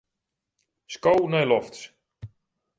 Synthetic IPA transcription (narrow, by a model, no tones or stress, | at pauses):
skownɛjlɔfts